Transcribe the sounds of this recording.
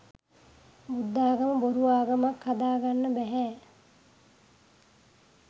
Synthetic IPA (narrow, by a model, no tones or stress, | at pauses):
bud̪ːaːɡəməboɾuʋaːɡəmakhad̪aːɡanːəbɛɦɛː